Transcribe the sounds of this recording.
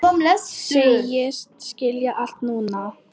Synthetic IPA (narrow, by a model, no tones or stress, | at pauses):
ɔmlɛsejɪst̪scɪljaʔal̥t̪nuːna